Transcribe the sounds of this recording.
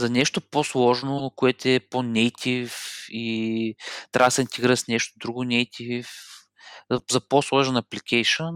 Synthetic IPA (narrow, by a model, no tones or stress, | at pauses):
zɐnɛʃt̪oposlˠɔʒnokoɛt̪ɛponɛjt̪ʰʲifi | t̪ɾaɡsɛint̪ɛɡɾiɾəsnɛʃt̪od̪ɾuɡʊnɛjt̪ʲʰif | zɐposlˠɔʒɛnɐplikʰɛjʃən